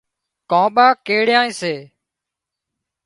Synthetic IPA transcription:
kãːɓaːkeːɽjãːĩːseː

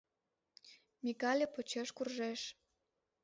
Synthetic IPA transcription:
mʲikɑlʲĕpot͡ɕeʃkurʒeʃ

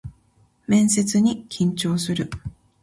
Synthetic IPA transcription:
mẽ̞ɰ̃se̞t͡sɨɲ̟ikʲʰĩɲt͡ɕo̞ːsɨɾɯ̟

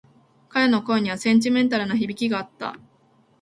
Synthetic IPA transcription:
kaɾe̞no̞ko̞eɲ̟iβ̞asẽ̞ɲ̟t͡ɕ̬ʲimẽ̞nt̪aɾɯ̟naçibʲikʲiɡaːt̪ːa̰

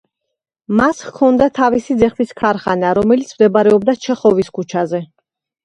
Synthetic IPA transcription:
masχkʰɔnd̪at̪ʰavisid̪zɛχviskʰaɾχanaɾɔmɛlit̪sʰmd̪ɛbaɾɛɔb̚d̪at͡ʃʰɛχɔviskʰut͡ʃʰazɛ

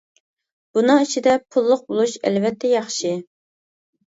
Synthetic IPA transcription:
b̥unɨŋit͡ʃʰid̪ɛpʰulˠːʊq̚bolˠuʃɛ̰lvɛt̪ʰːɛjɑχʃi

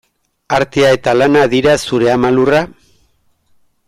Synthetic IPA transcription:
aɾt̪eae̞t̪alanaðiɾasuɾe̞amalura

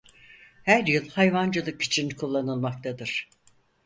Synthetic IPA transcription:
hæɾjɯlˠhajvand͡ʒɯlˠɯki̥t͡ʃʰinkʰulˠːanɯlˠmak̚t̪ʰad̪ɯɾ̥

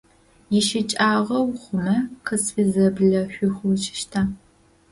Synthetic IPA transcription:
jɛʃɪt͡ʃʼaːʁɐwχʷʊmɐqʰəsfizɐbɮɐɕʷʊxʷʊt͡ʃɪ̥ʃtʰaː

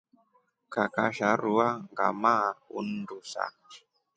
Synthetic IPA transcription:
kakaʃaɾuaŋɡa̰maṵndusa̰

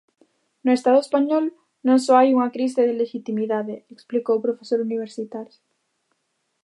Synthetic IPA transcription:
nʊest̪aðʊespaɲɔl | nõŋsɔajuŋakɾis̬eðeleʃit̪imiðaðeeksplikowpɾofesoɾuniβ̞eɾsit̪aɾjo

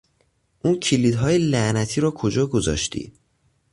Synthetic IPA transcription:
ʔuncʰiliːd̪ɦɒːjelæʔnæt̪ʰiːɾɔːkʰo̞d͡ʒɒːɡo̞zɒ̰ːʃt̪ʰḭː

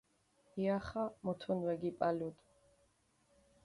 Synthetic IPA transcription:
iaχamɔt̪ʰunwɛɡipʼalut̪ʼ

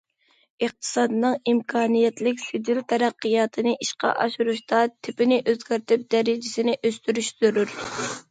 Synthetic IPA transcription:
əχ̚t̪ʰɨ̥sɑd̪ɨnɨŋimkʰɑːnijɛt̪lɪkʲsɪd̪ilt̪ʰɛɾæqːɨjɑːt̪ʰɨnɨʔiʃqɑ̰ʔɑ̰ʃuɾuʃt̪ɑt̪ʰɪpɪnɪʔøzɡʲæɾt̪ʰɪp̚d̪ɛɾɪd͡ʒɪsɪnɪʔøst̪yɾyʃt̪yɾyɾ

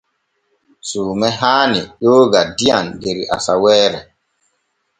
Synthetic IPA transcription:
suːmɛɦaːniɗoːɡadiandeɾiʔa̰sawɛːɾɛ

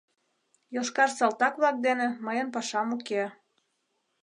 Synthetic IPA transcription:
joʃkɑrsɑlt̪ɑkβlɑk̚d̪enĕməjənpɑʃɑmuke

